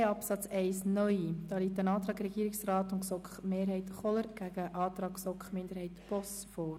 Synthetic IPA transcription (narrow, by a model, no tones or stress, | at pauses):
ɑpsɑt͡sɛɪsnœʏid̥ɑːliːtənɑːtɾɑːɡɾɛɡiːɾɪksrɑːtʊnksɔkχmeːɾɦɛɪt̪χɔləɾɡ̥æɡ̥əʔɑːt̪ɾɑːksɔkχmɪnd̥əɾhɛɪtpɔs | fɔːɾ